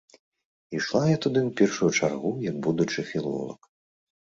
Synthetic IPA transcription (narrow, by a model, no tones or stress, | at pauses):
iʂlˠajat̪ud̪ɨwpʲɛrʂujut͡ʂarɣujɐɡ̚bud̪ut͡ʂɨfʲilˠɔ̰lˠɐ̰k